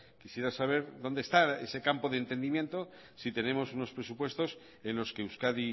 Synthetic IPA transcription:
kisje̞ɾasaβ̞e̞ɾðo̞nd̪est̪aḛse̞kampo̞ðent̪e̞nd̪imjẽ̞nt̪o | sit̪e̞ne̞mo̞suno̞spɾe̞supwe̞st̪o̞s | enlo̞ske̞uskaði

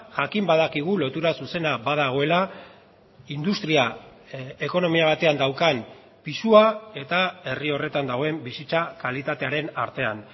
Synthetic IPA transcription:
ʝakimbað̞akiɣ̞ulo̞t̪uɾasuse̞naβað̞aɣ̞o̞e̞la | ind̪ust̪ɾia | e̞ko̞no̞miaβ̞at̪e̞and̪awkan | pisuae̞t̪ae̞rio̞re̞t̪and̪aɣ̞o̞e̞mbisit͡sakalit̪at̪e̞aɾe̞na̰ɾt̪e̞an

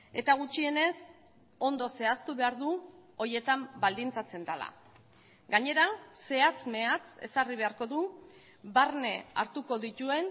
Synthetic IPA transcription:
e̞t̪aɣ̞ut͡ʃie̞ne̞s | o̞nd̪o̞se̞ast̪uβe̞aɾðuo̞je̞t̪ambald̪int͡sat͡se̞nd̪ala̰ | ɡaɲe̞ɾase̞at͡sme̞at͡se̞̰sariβ̞e̞aɾko̞ðu | barne̞a̰ɾt̪uko̞ðit̪ue̞n

